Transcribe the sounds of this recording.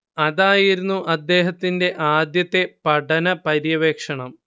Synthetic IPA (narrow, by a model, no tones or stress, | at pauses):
ɐðaːjiɾunːuʔɐd̪ːe̞ːɦɐt̪ːinde̞ʔaːd̪jɐt̪ːe̞pɐʈɐnɐpɐɾjɐʋeːkʂɐɳɐm